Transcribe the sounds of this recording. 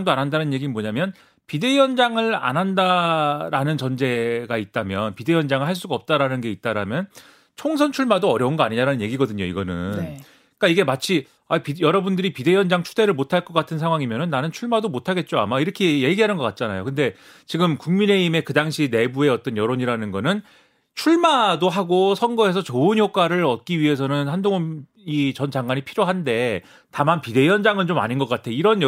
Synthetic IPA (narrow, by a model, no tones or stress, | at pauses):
ŋdoanɦandanɯnje̞ɡimoɲamjʌn | pide̞jʌnd͡ʑaŋɯɭa̰nɦandaɾanɯnt͡ɕʌnd͡ʑe̞ɡait̚t͈amjʌnpide̞jʌnd͡ʑaŋɯɭɦhaɭs͈uɡaʌp̚t͈aɾanɯnɡe̞it̚t͈aɾamjʌn | t͡ɕʰoŋsʰʌnt͡ɕʰuɭmadoʌɾjʌunɡʌaɲiɲaɾanɯnje̞ɡiɡʌdɯɲoiɡʌnɯn | k͈aiɡe̞mat͡ɕʰi | aipijʌɾʌbundɯɾipide̞jʌnd͡ʑaŋt͡ɕʰude̞ɾɯɭmotʰaɭk͈ʌk͈atʰɯnsʰaŋwaŋimjʌnɯnːanɯnt͡ɕʰuɭmadomotʰaɡe̞t̚t͡ɕ͈oa̰maiɾʌkʰe̞je̞ɡiɦanɯnɡʌk͈at̚t͡ɕ͈anajo̰kɯnde̞ | t͡ɕiɡɯmkuŋmine̞ime̞kɯdaŋɕʰine̞bue̞ʌt͈ʌnjʌɾoɲiɾanɯnɡʌnɯn | t͡ɕʰuɭmadoɦaɡosʰʌŋɡʌɦe̞sʰʌt͡ɕoɯnjok͈ʰaɾɯɾʌt̚k͈iɥiɦe̞s̬ʰʌnɯnhandoŋʌm | it͡ɕʌnd͡ʑaŋɡwaɲipʰiɾjoɦande̞ | tamanpide̞jʌnd͡ʑaŋɯnt͡ɕoma̰ɲinɡʌk͈atʰe̞iɾʌn